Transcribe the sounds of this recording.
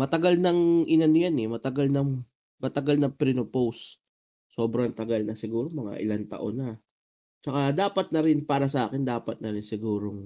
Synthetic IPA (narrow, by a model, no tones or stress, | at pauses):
mɐt̪ɐɡalnɐŋʔɪnɐnʊjanɛmɐt̪ɐɡalnɐŋ | mɐt̪ɐɡalnɐpɾinopowsː | o̞ːbɾɐŋt̪ɐɡalnɐsɪɡuːɾomɐŋa̰ʔɪ̰lant̪ɐ̰ʔonːɐ | t͡ʃɐkad̪aːpɐt̪̚nɐɾɪnpaːɾɐs̬ɐʔa̰ːkɪnd̪aːpɐt̪̚nɐɾɪnsɪɡuːɾoŋ